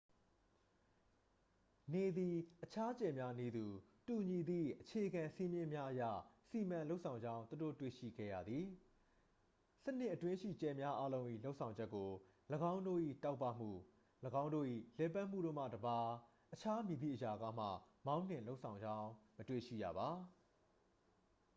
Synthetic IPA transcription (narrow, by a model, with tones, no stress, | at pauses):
ne˨d̪i˨ʔət͡ɕʰa˦t͡ɕɛ˨mja˦ne˦˨d̪u˨ | tu˨ɲi˨d̪ḭ˦˨ʔət͡ɕʰe˨əɡã˨si˦mjɪ̃˦mja˦ʔəjä̰˦˨si˨mã˨lo˦ʊʔsʰã˨ʊ̃ɲd͡ʑã˦ʊ̃nt̪u˨do̰˦˨twḛ˦˨ʃḭ˦˨ɡɛ̰˦˨jä̰˦˨d̪ði˨ | sə˦n̥ɪ̰˦ʔətwɪ̃˦ʃḭ˦˨t͡ɕɛ˨mja˦ʔa˦lõ˦ʊ̃ʔḭ˦˨lo˦ʊʔsʰã˨ʊ̃ɲd͡ʑɛ˦kːo˨ləɡã˦ʊ̃ndo̰˦˨ʔḭ˦˨ta˦ʊpːa̰˦˨m̥ṵ˦˨ | ləɡã˦ʊ̃ndo̰˦˨ʔḭ˦˨lɛ˨pa˦ʔm̥ṵ˦˨ɾõ˦˨m̥a̰˦˨dəba˨ | ʔət͡ɕʰa˦mji˨bḭ˦˨ʔəja˨ɡa̰˦m̥ä̰˦˨mã˦ʊ̃n̥ɪ̃˨lo˦ʊʔsʰã˨ʊ̃ɲd͡ʑã˦ʊ̃mətwḛ˦˨ʃḭ˦˨ja̰˨ba˨